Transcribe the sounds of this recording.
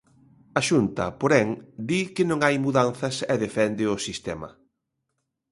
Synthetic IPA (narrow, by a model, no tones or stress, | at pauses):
ɐʃunt̪ɐ̰poɾɛŋd̪ikɪnõŋajmuðan̟θɐsɛðefɛnd̪ɪʊsist̪ɛmɐ̰